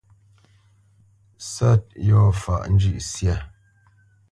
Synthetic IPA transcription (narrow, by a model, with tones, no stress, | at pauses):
sa˦˨t̚jɔ˦˨fa̰˨ʔn̩˦d͡ʒʉ˦˨ʔsja˦˨